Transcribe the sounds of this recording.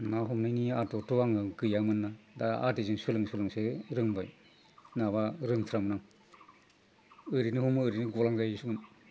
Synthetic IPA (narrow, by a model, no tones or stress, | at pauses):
naɦɔmnajniatɔtʰɔaŋɯɡɯjaŋmɯnːadaa̰dizɯŋsɯlɯŋsɯlɯŋsɯɾɯŋbaj | naβaɾɯŋtʰɾamɯnaŋ | ɯɾinɯhumɯɯɾinɯɡɔlaŋɡajsuŋmɯn